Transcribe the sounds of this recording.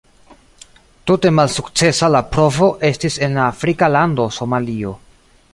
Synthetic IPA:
tute̞malsukt͡se̞salapɾo̞vo̞ʔe̞stise̞nlaːfɾikalando̞so̞malio̞

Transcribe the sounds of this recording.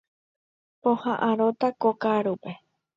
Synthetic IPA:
põhãʔãɾot̪akokaɾupe

